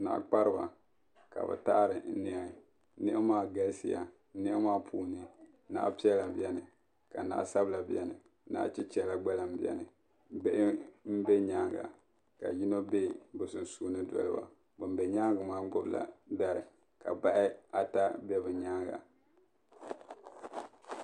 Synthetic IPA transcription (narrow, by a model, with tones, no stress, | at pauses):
na̰˨ʔk͡pa˦ɾɨ˦ba̰˨ | ka̰˨bɨ̰˨ta˦ɾɨ˨˦ni˦a˨˦ | nɪ˦ʔɪ˦maː˦ɡa˦lsi˨ja̰˨˦ | nɪ˦ʔɛ˦maː˦pʰuː˦nɨ˦ | na̰˦pi˦ɛ˦la˨bi˨ɛ˦nɨ˨ | ka˨na̰ː˦sa˦bla˨bi˦ɛ˨nɨ˨˦ | na̰˦t͡ʃi˦t͡ʃɛ˦la˨ɡ͡ba˦la˦m̩˦bi˦ɛ̰˨nɨ˨˦ | be˦ʔɪ˦m̩˦be˦ɲaː˦ŋɡa̰˨ | ka̰˨ji˦no˦be˦bʊ˨sɨ˨n˨suː˦nɨ˦dɔ̰˨lɨ˦ba̰˨ | bɨ˨m˦be˨ɲa˦ŋɡɨ˨maː˦ɡ͡bʊ˦bla̰˨da˦ɾɨ̰˨ | ka̰˨ba˦ʔɪ˦a˨ta˦bɛ˦bɨ˨ɲaː˦ŋɡa̰˨